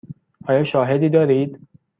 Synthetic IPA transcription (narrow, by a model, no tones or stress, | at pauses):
ʔɒːjɒːʃɒːɦed̪iːd̪ɒːɾiːd̪